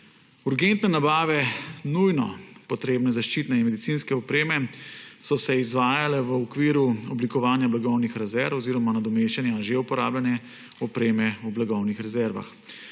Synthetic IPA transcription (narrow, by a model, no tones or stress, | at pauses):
uɾɡent̪nɛnabaːʋɛnujnɔ̰pɔt̪ɾeːbnɛzaʃt͡ʃiːt̪nɛinmɛd̪it̪siːnskɛɔpɾeːmɛsɔsɛizʋaːjalɛʋəɔkʋiːɾuɔblikɔʋaːnjablaɡɔwnixɾɛzɛɾfɔziːɾɔmanad̪ɔmeːʃt͡ʃɛnjaʒeupɔɾaːbljanɛ | ɔpɾeːmɛublaɡɔwnixɾɛzɛɾʋa̰x